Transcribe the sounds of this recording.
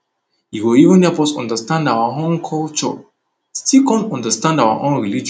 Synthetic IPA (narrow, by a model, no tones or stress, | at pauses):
iwuivə̃nɛfɔsɔ̰̃ndəstãndawaõnkʰɔlt͡ʃɔ̰ | stikɔ̃ntɔ̃ndəstãndawa̰ʔõnɹilid͡ʒ